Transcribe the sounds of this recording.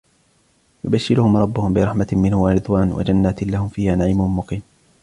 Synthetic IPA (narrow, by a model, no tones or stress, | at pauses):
jʊbaʃːɪlʊhʊmɾˤɑbːʊhʊmbɪɾˤɑħmamɪnhʊwaɾɨd̪ˤwaːnwa̰d͡ʒanːaːt̪ɪlahʊmfiːhaːnaʕɪːmʊmʊqiːn